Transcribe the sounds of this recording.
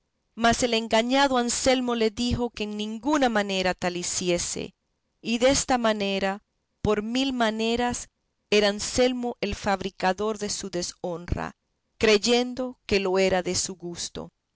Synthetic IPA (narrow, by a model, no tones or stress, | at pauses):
mase̞le̞ŋɡaɲaðo̞anse̞lmo̞le̞ðixo̞keːŋnĩŋɡunamãne̞ɾat̪alisje̞sḛ | iðe̞st̪amãne̞ɾa | po̞ɾmilmane̞ɾas | eɾanse̞lmo̞ʔe̞lfaβɾikaðo̞ɾðe̞suðe̞so̞nra̰ | kɾe̞ʝe̞nd̪o̞ke̞lo̞e̞ɾaðe̞suɣust̪o̞̰